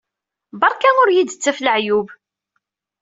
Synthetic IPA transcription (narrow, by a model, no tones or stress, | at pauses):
bɑɾˤkænʊɾjid̪ət͡sːæfləʕjub